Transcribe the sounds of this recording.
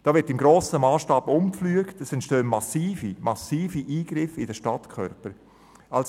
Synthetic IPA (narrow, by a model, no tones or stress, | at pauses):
d̥ɑːvɪɾtɪmɡɾoːsəmaːsʃtɑːbʊmkflyəktəsɛntʃtøːnmɑsiːfimɑsiːfiʔiːɡ̥ɾɪfɪdəʃtɑtkʰœ̰ɾpəɾ | ʔɑls